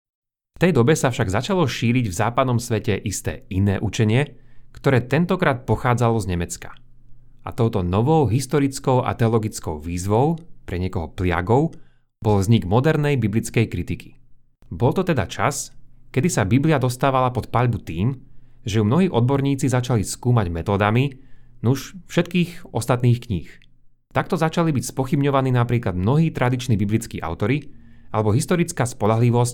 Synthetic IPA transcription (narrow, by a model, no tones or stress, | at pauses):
ft̪ɛjd̪ɔbɛsafʃaɡzat͡ʃalɔʃiːɾiɟvzaːpad̪nɔmsʋɛcɛʔist̪ɛ̰ːinɛːʔut͡ʃɛɲɪɛkt̪ɔɾɛːt̪ɛnt̪ɔkɾaːt̪̚pɔxaːd͡zalɔzɲɛmɛt͡skḁ | a̰t̪ɔʊt̪ɔnɔʋɔʊɦist̪ɔɾit͡skɔʊʔa̰t̪ɛɔlɔɡit͡skɔʊʋiːzʋɔʊpɾɛɲɪɛkɔɦɔplɪa̰ɡɔʊ | bɔlvzɲiɡmɔd̪ɛɾnɛjbiblit͡skɛjkɾit̪ikʰi̥ | bɔlt̪ɔt̪ɛd̪a̰t͡ʃa̰skɛd̪isabibliad̪ɔst̪aːʋalapɔt̪paʎbut̪iːmʒɛjumnɔɦiːʔɔd̪̚bɔɾɲiːt͡sizat͡ʃaliskuːmaɟmɛt̪ɔːd̪aminuʃfʃɛt̪̚kiːxɔst̪at̪niːxkɲiːx | t̪ak̚t̪ɔzat͡ʃalibicspɔxibɲɔʋaniːnapɾiːklad̪mnɔɦiːt̪ɾʔad̪it͡ʃnibiblit͡skiːʔa̰ʊt̪ɔɾiʔalɛbɔɦist̪ɔɾit͡skaːspɔʎaɦliʋɔsc